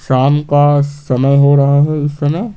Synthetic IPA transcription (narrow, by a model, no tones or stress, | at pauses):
ʃaːmkasɐməjɦoɾɐɦaɦɛɪst̪ɐma